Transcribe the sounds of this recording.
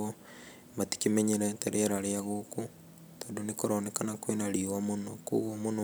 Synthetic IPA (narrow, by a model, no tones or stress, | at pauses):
o | mati̥kimeɲeɾɛteɾeaɾaɾeaɣoku | toːdonekoɾonɛkanakwenaɾiwamonokṵɣomono